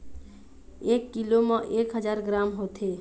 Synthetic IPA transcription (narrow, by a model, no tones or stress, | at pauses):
ekːilomə̃ʔekɦəd͡ʒaɾɡɾamɦot̪ʰe